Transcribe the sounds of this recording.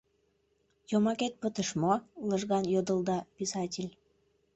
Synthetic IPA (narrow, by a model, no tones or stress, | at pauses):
jomɑket̪̚pət̪əʃmoləʒɣɑnjod̪əlˠd̪ɑpisɑtʲilʲ